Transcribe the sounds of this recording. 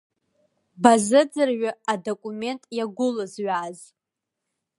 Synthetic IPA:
bazɨd͡zɨrɥaadokʷʼume̞ntʼjaɡʷʊlɨzɥaːz

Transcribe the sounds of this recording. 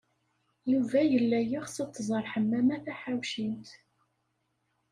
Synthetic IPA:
juvæjəlːæjiχsɑt̪ˤːzˤəɾˤħəmːæmæθæħawʃint̪

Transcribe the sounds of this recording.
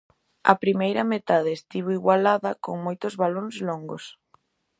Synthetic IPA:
ɐ̰pɾimejɾɐmet̪aðeːst̪iβ̞oiɣwalaðɐkoŋmojt̪ozβalonzloŋɡos

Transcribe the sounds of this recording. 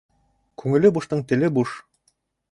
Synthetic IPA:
kʰʉŋɘ̆lɘbuʃt̪ɤɴt̪ɘ̆lɘbuʃ

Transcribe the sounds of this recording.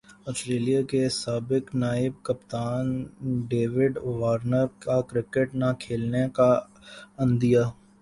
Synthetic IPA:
ɔːsʈɾeːlijakesaːbɪknaːɪb̚kɐpt̪aːnɖeːʋɪɖʋaːɾnəɾkakɾɪkeʈnakʰeːlneka | ɐ̃nd̪ijaː

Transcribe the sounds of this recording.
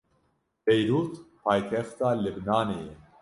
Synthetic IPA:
pɛjɾuːt̪pʰaːjk̪ʰɛft̪aːlɪbnaːnejɛ

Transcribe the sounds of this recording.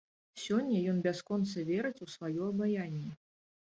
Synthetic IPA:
sʲɔnʲːɐjɔnbʲaskɔnt̪sɐvʲɛɾɨt͡sʲusvajɔɐbajanʲːɛ

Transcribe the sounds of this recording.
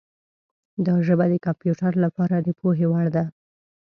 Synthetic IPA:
d̪ɑʒəbad̪əkampjuʈaɾlapɑɾad̪əpoɦewaɽd̪a

